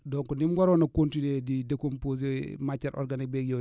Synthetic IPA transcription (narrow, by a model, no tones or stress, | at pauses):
doŋkunimɡaɾonakontinedidekompoz̬emat͡ʃaɾʔo̰ɾɡanik̚bekjo